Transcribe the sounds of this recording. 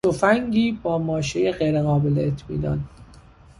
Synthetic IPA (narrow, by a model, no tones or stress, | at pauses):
ofæŋɡiːbɒːmɒːʃejeɢejɾeɣɒːbeleːt̪ʰmḭːnɒ̰ːn